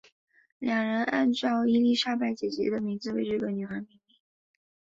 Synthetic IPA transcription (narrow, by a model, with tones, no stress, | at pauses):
ljɑ˨˩ŋɻə˧˥na˥˧nʈ͡ʂɑ˥˩ʊi˥li˥˧ʂa˥˧pa˥˩ɪt͡ɕjɛ˨˩t͡ɕɥɛ̰˧˥d̪ə˧mi˧˥ŋd͡zɹ̩˧wḛ˥˧ɪʈ͡ʂɤ˥˩ɡə˩ny˨˩xə˧˥mi˧˥ŋmi˥˩ŋ